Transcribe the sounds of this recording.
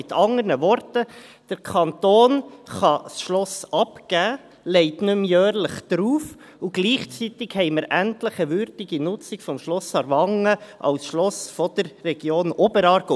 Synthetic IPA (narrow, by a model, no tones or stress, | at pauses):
ɪt̪ʰɑŋənəʋɔɾtəd̥əɾkʰɑnt̪oːnχɑsʃlɔsɑpkæː | lɛɪtnʉmjœːɾləχd̥̪ɾuːf | uɡ̥liːχt͡sit̪ɪkhɛɪməɾʔæntləχəʋʏɾd̥ɪɡinʊt͡sɪkfɔmʃlɔsɑɾʋɑŋːəʔɑ̰wsʃlɔsfɔd̥̪əɾːɛɡ̥joːnobəɾɑːɾɡo